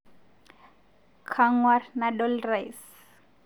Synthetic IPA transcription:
kʰaŋwarnadɔlrajs

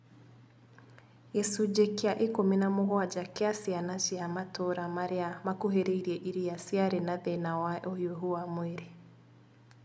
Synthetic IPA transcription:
jɛsud͡ʑekeaʔekominamoɣwad͡ʒakeasianaʃiamatoɾamaɾeamakuɦeɾeiɾiɛʔiɾijasiaɾenaðɛnawaʔohjoɦuamweɾe

